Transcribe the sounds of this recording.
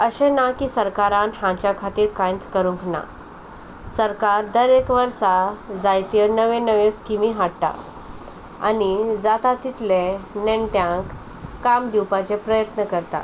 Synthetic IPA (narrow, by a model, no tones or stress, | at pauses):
əɕɛ̃nakisəɾkaɾãnɦãt͡ɕjakʰat̪iːɾkãjt͡skəɾũŋkna̰ | səɾkaɾd̪əɾekʋəɾsad͡zajt̪inəʋẽnəʋeskimiɦaɽʈa̰ | a̰nid͡zat̪at̪it̪leneɳʈjãkː | amd̪iwpat͡ɕepɾəjət̪nəkəɾt̪a̰